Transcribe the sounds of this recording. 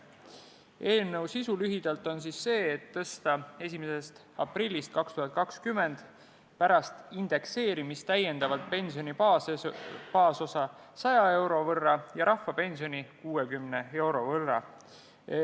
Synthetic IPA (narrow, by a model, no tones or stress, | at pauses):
e̞ːlnəwsisulyɦid̪̥ɑlt̪ˑo̞nsisːe̞ːt̪ːɤst̪ɑe̞sʲimesest̪ | ɑprilʲːist̪̚kɑkst̪uɦɑt̪̚kɑkskymːe̞nd̪̥ | pæɾɑst̪ind̪̥e̞kse̞ːɾimist̪æje̞nd̪ɑvɑlt̪̚pe̞nsio̞nipɑ | pɑːso̞sɑ | sɑjɑe̞wɾo̞vɤrːɑjɑɾɑfːɑpe̞nsio̞nikuːe̞kymne̞e̞wɾo̞vɤrːɑ̰